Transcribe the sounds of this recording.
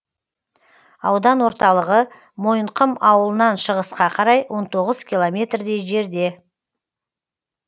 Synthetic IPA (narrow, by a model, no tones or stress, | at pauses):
ɑwd̪ɑnwo̞ɾt̪ɑlˠəʁə | mo̞jəɴqʰəmɑwəlˠənɑnʃəʁəsqɑqʰɑɾɑjwʔo̞nt̪ʰo̞ʁəzkʲʰilˠomʲe̞t̪rd̪e̞jʒe̞ɾd̪e̞